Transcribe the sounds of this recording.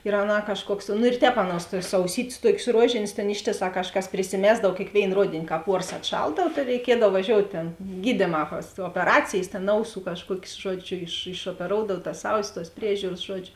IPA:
ɪr ˈɑːˌnɑː kɐʃˈkuɔks nʊ ɪr ˈtʲɛːp ˈɑːˌnuɔs tuɔs ɐʊˈsʲiːtʲeːs ˈtuɔkʲeːs ˈruɔʒʲeːnʲeːs ˈtʲeːn ˈɪʃʲtʲeːˌsɑː ˈkɑːʃˌkɐs pʲrʲɪsʲɪˈmʲæːzdɐw kʲeːkˈʋʲeːɪn ˈroːdʲeːnʲɪ ˈkɑːp ˈuɔrs ɐtˈʃɐlˠdɐw tɐ rʲɛɪˈkʲiɛdɐw ʋɐˈʒʲoːʊtʲ tʲeːn ˈɡʲiːdʲeːˌmɑː pɐs oːpʲɛˈrɑːt͡sʲeːjs tʲeːn ˈɐʊˌsuː kɐʃˈkuɔkʲeːs ˈʒuɔd͡ʒʲʊ ɪʃ ɪʃoːpʲɛˈroːʊdɐw tɐs ˈɐʊˌsʲɪs tuɔs ˈpʲrʲiɛʒʲuːrɐs ˈʒuɔd͡ʒʲʊ

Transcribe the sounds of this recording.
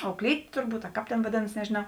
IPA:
ɐʊˈklʲiːtʲeː tʊrˈbuːt ɐ ˈkɑːp tʲeːn ʋɐˈdʲeːnɐs nʲɛʒʲeːˈnɐʊ

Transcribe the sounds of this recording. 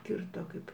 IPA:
ˈkʲɪrtoː ˈkɐɪp

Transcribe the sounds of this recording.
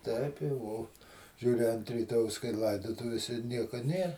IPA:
ˈtʲɛɪp jɛʊ ˈoː ˈʒʲuːrʲɪ ɐnt rʲiːˈtoːjɛʊs kɐɪ ˈlˠɐɪdoːtʊʋʲeːsʲɛ ˈnʲiɛkoː ˈnʲeː

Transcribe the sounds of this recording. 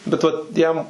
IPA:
bʲɛt ˈʋɐt ˈjɛm

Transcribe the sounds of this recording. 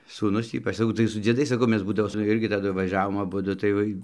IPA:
suːˈnʊs ˈiːpɐt͡ʃ sɐˈkɐʊ tɐɪ sʊ d͡zʲiɛˈdɐɪs sɐˈkɐʊ ˈmʲɛs ˈbuːdɐʋoː sʊ ˈɪrʲɡʲɪ tɐˈdʊ ʋɐˈʒʲæːʋoːm ɐˈbʊdʊ tɐɪ ˈʋɐɪ

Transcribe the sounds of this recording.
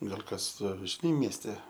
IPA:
ˈɡɐlʲ ˈkɐs ʒʲɪˈnɐɪ mʲiɛsʲˈtʲɛ

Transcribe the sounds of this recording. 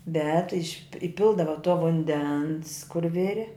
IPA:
bʲɛt ɪʃʲ ɪˈpʲɪlˠdɐʋɐ toː ʋʊnʲˈdʲɛns kʊr ˈʋʲɪrʲɪ

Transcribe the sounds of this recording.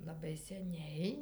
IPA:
lˠɐˈbɐɪ sʲɛˈnʲɛɪ

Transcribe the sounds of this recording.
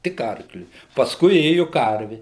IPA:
tʲɪk ˈɐrklʲʊɪ pɐsˈkʊɪ ˈeːjʊ ˈkɐrʲʋʲɪ

